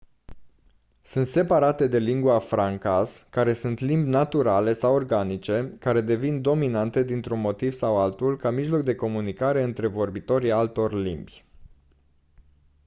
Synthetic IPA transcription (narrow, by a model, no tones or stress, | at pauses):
sɨnt̪se̞paɾat̪e̞d̪e̞liŋɡuafɾaŋkaskaɾe̞sunt̪limbʲnat̪uɾale̞sawo̞rɡanit͡ʃe̞kaɾe̞d̪e̞vind̪o̞minant̪e̞d̪int̪ɾunmo̞t̪iv̥sawalt̪ulkamiʒlo̞k̚d̪e̞ko̞munikaɾe̞ɨnt̪ɾe̞vo̞rbit̪o̞ɾialt̪o̞rʲlḭmbʲ